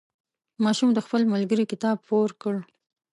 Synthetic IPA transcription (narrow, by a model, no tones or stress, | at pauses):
mɑʃumd̪əxpəlməlɡəɾikɪt̪ɑb̚poɾkəɽ